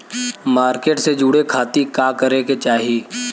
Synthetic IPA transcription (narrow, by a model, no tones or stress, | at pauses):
maːɾkeːʈsed͡ʒuːɽekʰaːt̪ikaːkəɾeket͡ʃaːɦi